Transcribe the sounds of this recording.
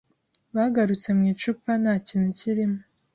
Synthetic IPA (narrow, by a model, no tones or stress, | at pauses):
βaɡaɾut͡se̞mŋiːt͡ʃupanaciːnuciɾimu